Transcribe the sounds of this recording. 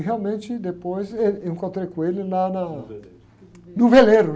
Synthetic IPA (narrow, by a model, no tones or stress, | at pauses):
ɦealmẽnt͡ʃɪd̪epojseeŋkõnt̪ɾekuelɪlana | nuveleɾu